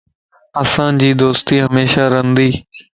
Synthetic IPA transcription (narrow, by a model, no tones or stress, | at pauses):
əsãːd͡ʑiːd̪oːst̪iːɦəmeːʃaːɾənd̪iː